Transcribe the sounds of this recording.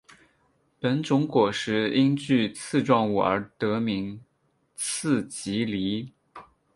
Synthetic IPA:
pə˧˥nt͡sʊ˧˥ŋkwɔ˨˩ʂɻ̩˧˥i˥nt͡ɕy˥˧t͡sʰɹ̩˥˧ʈ͡ʂwɑ˥˩ŋu˨˩ə˧˥t̪ɤ˧˥mi˧˥ŋ | t͡sʰɹ̩˥˩t͡ɕi˧˥li˧˥

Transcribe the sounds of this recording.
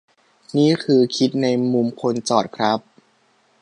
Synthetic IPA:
niː˥˩kʰɯː˧kʰi˦˥t̪̚na˧jmu˧mkʰo˧nt͡ɕɔː˨˩t̪̚kʰɾa˦˥p̚

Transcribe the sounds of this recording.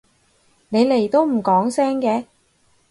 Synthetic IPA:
ne˨˧jle˨˩jt̪o˥wm̩˨˩kɔː˨˥ŋsɛː˥ŋkɛː˧

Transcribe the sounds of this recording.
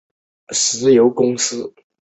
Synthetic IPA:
s̩˧˥jo˧˥ʊkʊ˥ŋsɹ̩˥

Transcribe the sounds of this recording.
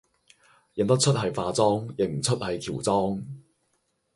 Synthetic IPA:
jɪ˨ŋt̪ɐ˥k̚t͡sʰɵ˥t̚hɐ˨jfaː˧t͡sɔː˥ŋjɪ˨˩ŋ̚m̩˨˩t͡sʰɵ˥t̚hɐ˨jkʰiː˨˩wt͡sɔː˥ŋ

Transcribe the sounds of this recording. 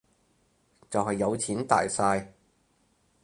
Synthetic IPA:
t͡sɐ˨whɐ˨jːɐ˨˧wt͡sʰiː˨˥nt̪a̰ː˨jsaː˧j

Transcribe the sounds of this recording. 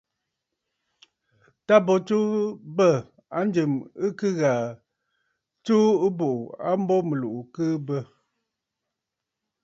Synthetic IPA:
ta˦bɔ˨t͡ʃu˦bə˦˨ | a˦n˦dɨ˨mɨ˦kɨ˦ɣa˨ | t͡ʃu˦ɨ˦bo˨ʔu˨a˦m˦bɔ˦mə˨lu˨ʔu˨kɨː˦bə˦

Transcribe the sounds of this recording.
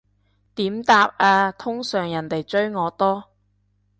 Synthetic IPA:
t̪iː˨˥mt̪aː˧p̚aː˧t̪ʰʊ˥ŋsœː˨˩ŋjɐ˨˩nt̪e˨jt͡ʃɵ˥ɥŋɔː˨˧t̪ɔː˥

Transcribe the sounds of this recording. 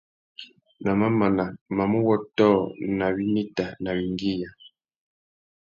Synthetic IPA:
na˨ma˦ma˨na˨ma˨mu˦wɔ˦tɔ˦˨na˨βi˦ni˦ta˨na˨βi˨ŋɡi˦ja˨

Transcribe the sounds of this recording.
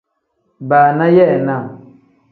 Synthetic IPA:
baː˨na˦jɛ˦˨na˦˨

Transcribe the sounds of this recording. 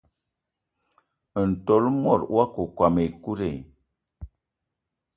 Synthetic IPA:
n̩˨to˨˦lmɔ˦˨ɾwa˦ku˨kwa˨me˨ku˦ɾe˨

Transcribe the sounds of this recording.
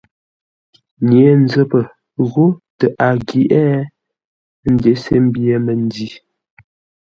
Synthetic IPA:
ɲe˨˦n˦d͡zə˦pə˨ | ɣo˦tə˨ʔa˨ɡi˨ʔɛ˦ | n̩˦de˨˦se˦m˦bje˨˦mə˨n˦di˦˨

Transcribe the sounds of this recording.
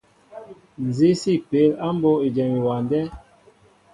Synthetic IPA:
n̩˨zi˦si˦˨pe˨˦la˦m˦bo˦e˨d͡ʒɛ˨mi˨wa˨ndɛ˦

